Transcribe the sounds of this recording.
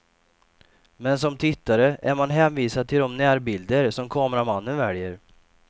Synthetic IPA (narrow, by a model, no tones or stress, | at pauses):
mɛnsɔmt̪ʰɪt̪ːaɾəʔæɾmanɦɛːnviːsad̪̚t̪ʰːɪld̪ɔmnæːɾbɪld̪əɾsɔmkʰɑːmɾamanːənvɛljəɾ